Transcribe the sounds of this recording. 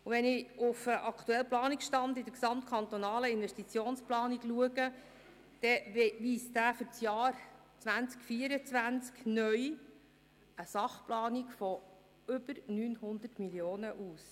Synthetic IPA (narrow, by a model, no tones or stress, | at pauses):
uʋɛnɪufəʔɑkt̪uɛlplɑːnikʃtɑnd̪ɪdəɾksɑmt̪̚kʰɑnt̪ɔnɑːləɪnʋɛʃtit͡sjoːnsplɑːniɡluəɡə | d̥ɛʋiːsd̥̪æːfʏɾt͡sjɑːɾ | t͡sʋænt͡skfiəɾət͡sʋænt͡sknœj | əsɑχplɑːniɡfɔ | ʏb̥əɾnyːnhʊnd̪ərtmiljoːnəʔuːs